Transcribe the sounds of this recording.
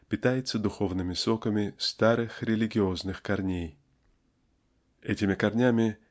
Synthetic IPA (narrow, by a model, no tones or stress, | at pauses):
pʲɪt̪ajɪt̪səd̪ʊxo̞vnɨmʲɪsokəmʲɪst̪aɾɨxɾʲɪlʲɪɡʲɪo̞znɨxkɐrnʲej | ɛtʲɪmʲɪkɐrnʲamʲɪ